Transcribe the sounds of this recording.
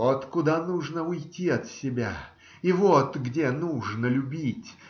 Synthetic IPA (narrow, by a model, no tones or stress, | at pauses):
ot̪kʊd̪anuʐnəʊjtʲiɐt̪sʲɪbʲa̰ | ivot̪ɡdʲenuʐnəlʲʊbʲitʲ